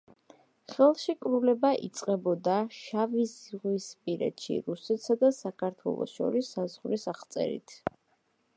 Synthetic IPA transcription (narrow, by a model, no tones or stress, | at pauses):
χɛlˠʃikʼɾulɛbaʔit̪sʼqʼɛbɔd̪aʃavizʁwispʼiɾɛ̰t̪ʃḭɾusɛt̪ʰsad̪asakʰaɾt̪ʰwɛ̰lˠɔ̰sʃɔ̰ɾisːazʁɾisaχt̪sʼɛ̰ɾḭt̪ʰ